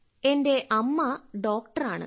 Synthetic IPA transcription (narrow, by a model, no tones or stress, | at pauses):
e̞nde̞ʔɐmːɐɖo̞ːkʈɐraːɳɨ̰